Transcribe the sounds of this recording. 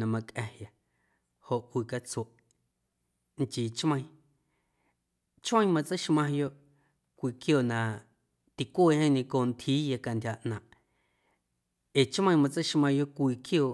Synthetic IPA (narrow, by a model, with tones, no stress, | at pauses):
nã˨mã˧kʼʔɛ̃˧hja˨ | ho˨ʔʔwiː˨ka˧t͡so˨ʔ | ŋ˨t͡ʃiː˨t͡ʃmã˧ĩ˦ | t͡ʃmə̃˦ĩ˦mã˧t͡sə˦ʃmã˧jo˦ʔ | kʷiː˧kjo˧˨nã˨ | t̪i˨kʷoː˦˨˧hẽ˦ɲẽ˧ko˧˨nt̪ʰiː˦ja˧ka˧ndʲa˧˨ʔnãː˨ʔ | e˨t͡ʃmə̃˧j̃mã˧t͡sə˦ʃmã˧jo˦ʔkʷiː˧˨kjoː˧˨